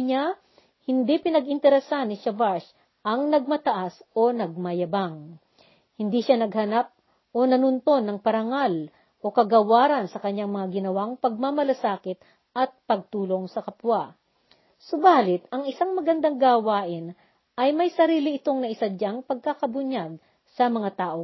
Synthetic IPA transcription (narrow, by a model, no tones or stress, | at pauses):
ɲa | hɪnd̪ipɪnɐɡɪnt̪ɛɾɛsanːɪʃavaɹs | ʔɐŋnɐɡ̚mɐt̪ɐʔasʔo̞nɐɡ̚mɐjɐbaŋ | hɪnd̪iʃanɐɡhɐnap̚ | ʔo̞nɐnʊnt̪o̞nːɐŋpɐɾɐŋal | ʔo̞kɐɡɐwaːɾɐnsɐkɐɲːaŋmɐŋaɡɪnɐwaŋpɐɡ̚mamɐlɐsaːkɪt̪ | ʔɐt̪̚pɐɡ̚t̪uːlo̞ŋsɐkɐpwa | sobaːlɪt̪ɐŋɪsaŋmɐɡɐnd̪aŋɡaːwaːʔɪn | ʔɐjmɐjsɐɾiːlɪɪt̪o̞ŋnɐʔɪsɐd͡ʒaŋpɐɡ̚kakɐbʊɲaɡ̚ | sɐmɐŋat̪aːʔo̞